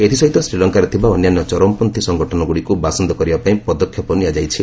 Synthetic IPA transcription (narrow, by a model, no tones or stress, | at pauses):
et̪ʰisɔɦit̪ɔsɾilɔŋkaɾet̪ʰibaɔnjanjɔt͡ʃɔɾɔmpɔnt̪isɔŋɡɔʈʰɔnɔɡuɽikubasɔnd̪ɔkɔɾibapaĩpɔd̪ɔkʰjɔpɔniad͡ʒajt͡ʃʰi